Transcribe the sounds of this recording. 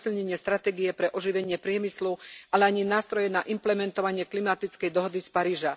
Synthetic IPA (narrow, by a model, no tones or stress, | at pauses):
silɲɛɲɪɛst̪ɾat̪ɛːɡijɛpɾɛʔɔʒiʋɛɲɪɛpɾɪɛmislualɛaɲinaːst̪ɾɔjɛnaʔimplɛmɛnt̪ɔʋaɲɪɛklimat̪it͡skɛjd̪ɔɦɔd̪ispaɾiːʒa